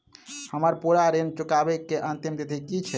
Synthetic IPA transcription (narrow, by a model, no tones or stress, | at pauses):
həməɾpuɾaɾent͡ʃukabɛkːeʔənt̪imd̪et̪ʰekit͡ʃʰɛ